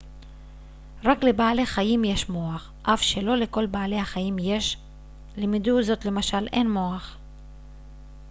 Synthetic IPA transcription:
ʁakle̞baale̞χajimje̞ʃmo̞aχ | ʔafʃe̞lo̞leko̞lbaale̞haχajimje̞ʃ | lemid̪uzo̞t̪le̞maʃalʔe̞nmo̞aχ

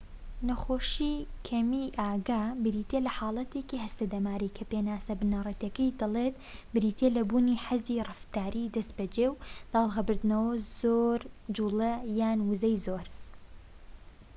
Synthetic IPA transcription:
nɐxoːʃikʰɐmiʔaːɡaːbɨɾiːt̪elɐħɑːlˠɐt̪eːkiɦɐst̪ɐd̪ɐmaːɾikʰɐpeːnaːsɐbɨnɐrˤɐt̪ɐkɐjd̪ɐlˠet̪̚ | bɨɾiːt̪ʰelɐbuːniħazirɨft̪aːɾid̪ɐst̪̚bɐd͡ʒeːwd̪̥ɑːlˠɣɐbɨɾd̪nɐwɐzoɾd͡ʒuːlɐjaːnwʊzɐjzoɾ

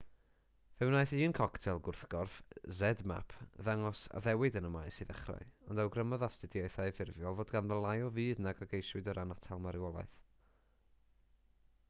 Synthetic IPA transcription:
vɛwnajθiːnkʰɔktʰɛlˠɡʊrθɡ̥ɔrθzɛdma̰pʰðaŋɔsa̰ðɛwɪdənəmajsɨːðɛ̰χra̰ɨɔndawɡrəmɔðastɪdjaɨθajvɪrvjɔlˠvoːdɡanðəlˠajɔviːdnaɡɔɡejswɨdəɾʔanatʰalˠmaɾɪwɔlˠa̰ɨθ

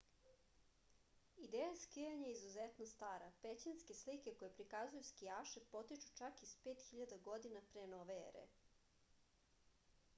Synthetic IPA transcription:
id̪eːjaskijaɲaeizuzet̪nost̪aːɾapet͡ɕinske̞slike̞ko̞jepɾikazujuskijaːʃepo̞t̪it͡ʃu̥t͡ʃakispeːt̪xiʎad̪aɡo̞d̪inapɾenoʋeḛɾḛ

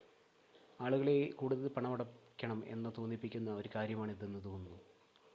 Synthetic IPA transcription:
aːɭuɣɐɭekuːɽuðɐðpɐɳɐmɐɽɐkʲːɐɳɐme̞̰nːɐt̪oːnːipːikʲːunːɐo̞ɾukaːɾjɐmaːɳiðenːɨt̪oːnːu

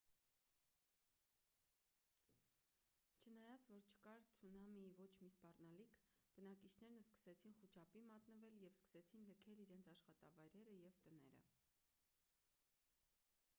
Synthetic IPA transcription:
t͡ʃʰənɑjɑt͡svɔɾt͡ʃʰə̥kɑɾt͡sʰunɑmivɔt͡ʃʰmispɑrnɑlikʰb̥ənɑkit͡ʃʰnɛɾnəskə̥sɛt͡sʰinχut͡ʃʰɑpimɑt̪nəvɛljɛvskə̥sɛt͡sʰinləkʰɛliɾɛnt͡sʰɑʃχɑt̪ɑvɑjɾɛɾəjɛvt̪ənɛɾə̰

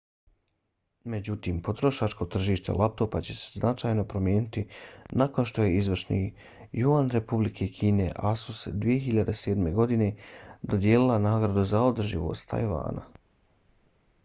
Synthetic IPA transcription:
me̞d͡ʑut̪iːmpo̞t̪ɾo̞ʃat͡ʃko̞t̪r̩ʒiːʃt̪e̞̰lʔap̚t̪o̞ːpat͡ɕe̞se̞̥znat͡ʃaːjno̞pɾo̞mje̞ːnit̪inako̞nʃt̪o̞je̞izʋr̩ʃnḭ | juʋanɾe̞publikʰekʰiːne̞ʔasusd̪ʋije̞ɦiʎad̪e̞se̞ːd̪me̞ɡo̞d̪ine̞d̪od̪jeːlilanaːɡɾad̪uzaod̪r̩ʒḭʋo̞̰st̪ʰːa̰jʋa̰ːna̰

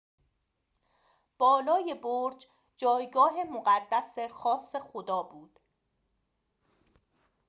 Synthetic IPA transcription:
b̥ɒːlɒːje̞boɾd͡ʒ | d͡ʒɒːjɡɒːɦemoɢæd̪ːæsexɒːsːe̞xod̪ɒːbuːd̪̥

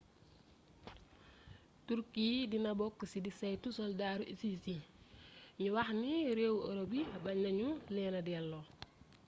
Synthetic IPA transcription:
tuɾkiːdinɐbɔkːsidisɛjtusɔldaːɾuʔisisi | ɲuwɐxniɾewɔɾobiɐbɐɲːɐɲulɛːnɐdiɛlːɔ

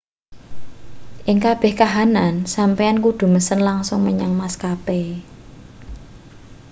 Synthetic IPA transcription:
ʔɪŋkab̥ɛ̤hkaɦanansampejankud̪̥ṳməsənlaŋsʊŋməɲaŋmaskape

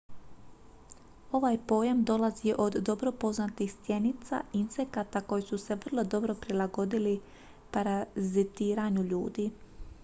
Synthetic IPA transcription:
o̞ʋaːjpo̞ːjamd̪o̞laziʔo̞d̪ːo̞bɾo̞po̞znat̪ixst̪je̞nit̪sa̰insekat̪ako̞jisuse̞ʋr̩lˠo̞d̪o̞bɾo̞pɾilˠaɡo̞d̪ili | paɾazit̪iːɾaɲuʎuːd̪i

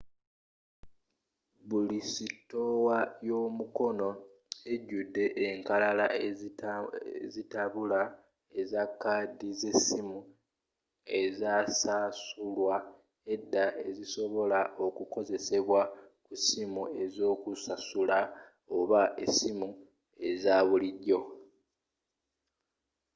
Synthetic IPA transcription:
βulisitːo̞wajo̞ːmuko̞no̞ | e̞ɟːudːe̞ʔeŋkalala | zitaβula | e̞zakːadize̞simu | e̞zasasulwa | e̞dːaʔe̞ziso̞βo̞laʔo̞kuko̞ze̞se̞βwa | kusimue̞zo̞ːkusasula | o̞βaʔesimu | e̞zaːβuliɟːo̞

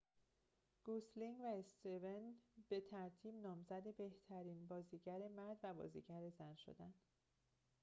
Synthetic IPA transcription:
ɡ̥osliŋɡvæest̪evenb̥e̞t̪ʰæɾt̪ʰiːbnɒːmzæd̪e̞be̞ht̪ʰæɾiːnbɒːziːɟæɾe̞mæɾd̪væbɒ̰ːzḭːɟæɾe̞zænʃo̞̰d̪æn

